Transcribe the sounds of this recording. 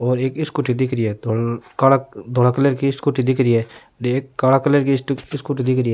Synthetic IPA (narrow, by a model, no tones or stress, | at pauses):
ɔːɾeːkɪskʊʈid̪ɪkɾiɛːd̪okaɽad̪ʱoːɽaːkələɾkiskʊʈid̪ɪkɾiɛː | eːkːaːɽakələɾkisʈɪskʊʈid̪ɪkɾiɛː